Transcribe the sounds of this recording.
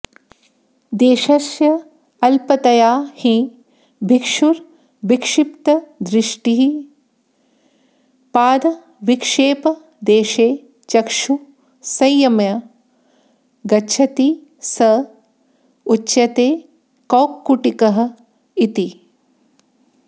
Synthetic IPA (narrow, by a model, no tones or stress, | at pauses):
d̪eːʃɐsjɐ | ɐlpɐt̪ɐjaːhĩ | bʱikʂuɾ | bikʂipt̪ɐd̪ɾɪʂʈiɦi | paːd̪ɐ | ʋikʂeːpɐ | d̪eːʃeː | t͡ʃɐkʂu | sɐjːɐmjɐ | ɡɐt͡ʃʰɐt̪i | sɐ | utːʃɐt̪eː | koːkːuʈikɐɦɐ̆ | it̪i